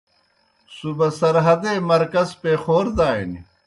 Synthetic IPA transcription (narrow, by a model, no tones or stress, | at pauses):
subɐsɐɾɦɐd̪eːmɐɾkɐzpexoːɾd̪aːini